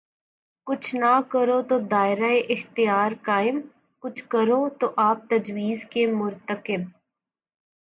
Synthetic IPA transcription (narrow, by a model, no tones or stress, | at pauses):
kʊt͡ʃʰnakəɾot̪od̪aːɪɾaeʔɪxt̪ɪjaːɾkaːɪm | kʊt͡ʃʰkəɾoːt̪oʔaːp̚t̪əd͡ʒwiːzkemʊɾt̪əkɪb̚